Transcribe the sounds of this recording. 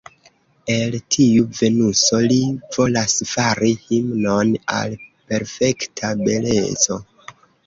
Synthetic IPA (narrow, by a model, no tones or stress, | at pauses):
e̞ltʰiuve̞nuso̞liv̥o̞lasfaɾihimno̞na̰lpe̞ɾfe̞ktʰabe̞le̞̰t͡so̞